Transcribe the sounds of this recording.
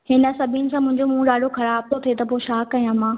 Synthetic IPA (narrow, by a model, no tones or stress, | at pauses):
hɪnə̆sɐbʱinɪ̆sãmʊ̃ɦɪ̃ɲd͡ʑomũːɗaːɽʱoxɐɾaːb̚t̪ʰot̪ʰiet̪ɐpoːʃaːkːɐijãmãː